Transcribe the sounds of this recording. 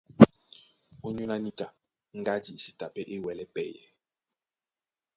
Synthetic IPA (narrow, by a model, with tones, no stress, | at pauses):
o˦ɲu˦la˦ni˦ka˨ | ŋ˦ɡa˦di˨e˨si˦ta˨pɛ˦ʔe˦wɛ˨lɛ˦pɛ˦jɛ̰˨